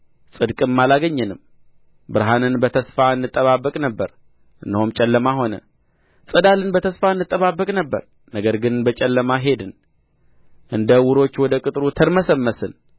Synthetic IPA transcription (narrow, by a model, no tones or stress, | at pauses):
sʼɨd̪kʼɨmːalaɡəɲːɨnɨm | bɨɾɦanɨnbət̪ʰəsfaɨnːɨt̪ʼːəβabːəkʼnəbːəɾ | ʔɨndɨhomt͡ʃʼɛlːəmaɦo̞nə̰ | sʼɨd̪alɨnbət̪ʰəsfaɨnːɨt̪ʼːəβaβːəkʼnəbːə̰ɾ | nəɡəɾɡɨnbət͡ʃʼɛlːəmaɦe̞d̪ɨn | ʔɨnd̪əwʊɾo̞t͡ʃːwɔd̪əkʼɨt̪ʼɾut̪ʰəɾməsəmːəsɨn